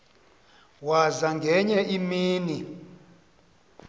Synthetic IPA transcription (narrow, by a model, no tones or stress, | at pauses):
wazaŋɡʱɛɲɛʔimiːni